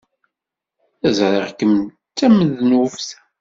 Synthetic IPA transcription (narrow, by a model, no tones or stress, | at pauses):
æzɾˤəʁkːəm | t͡sːæməðnufθæ̥